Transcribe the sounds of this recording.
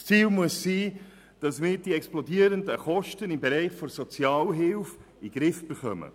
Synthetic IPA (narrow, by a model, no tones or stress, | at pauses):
st͡siːlmuəssiː | d̥ɑsmɪːɾd̥iɛksplɔdiːəɾəndəχɔʃtənɪmbeɾɛɪχfɔɾsɔt͡sjɑːlɦɪlf | iɡ̥ɾɪfb̥eχœmə̰